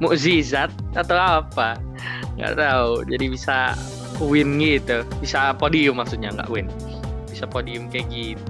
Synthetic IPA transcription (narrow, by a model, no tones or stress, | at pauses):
muʔzizat̪̚at̪awapa | ŋɡa̰ʔt̪aud͡ʒadibisa | uwɪnɡit̪ubisapodiʊmːaksut̪̚ɲaŋɡa̰ʔuwɪn | bisapodiʊmkaɡit̪u